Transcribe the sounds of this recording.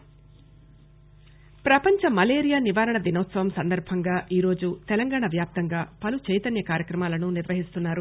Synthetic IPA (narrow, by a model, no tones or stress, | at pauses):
pɾɐpɐɲt͡ʃɐmɐleːɾijaːniʋaːɾɐɳɐʋinɐːt̪sɐʋɐmsɐnd̪ɐɾbʱɐŋɡaːʔiːɾo̞ːd͡ʒut̪ɛlɐŋɡaːɳɐʋjaːp̚t̪ɐŋɡaːpɐlut͡ʃɛjt̪ɐnjɐkaːɾjɐkɾɐmaːlɐnuniɾʋɐɦist̪unːaːɾu